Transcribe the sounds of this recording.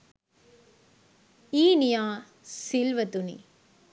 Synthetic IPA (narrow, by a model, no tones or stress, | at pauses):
iːnijaː | silʋɐt̪unḭ